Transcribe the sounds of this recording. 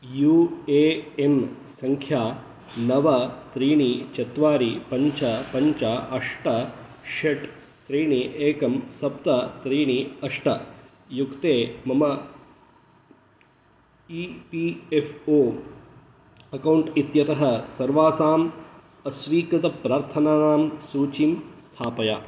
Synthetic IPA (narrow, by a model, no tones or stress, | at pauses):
juːeːem | sɐŋkʰjaː | nɐʋɐt̪ɾiːɳit͡ʃɐt̪ʋaːɾipɐɲt͡ʃɐpɐɲt͡ʃaʔɐʂʈɐ | ʃɐʈ | t̪ɾiːɳiʔeːkɐmsɐp̚t̪ɐt̪ɾiːɳiɐʂʈɐ | jukt̪eːmɐmɐ | ipiefʰoː | ɐkɐwɳʈit̪jɐt̪ɐɦɐsɐɾʋaːsaːm | ɐsʋiːkɾut̪ɐpɾaːɾt̪ʰɐnaːnaːmsuːt͡ʃimst̪ʰaːpɐjaː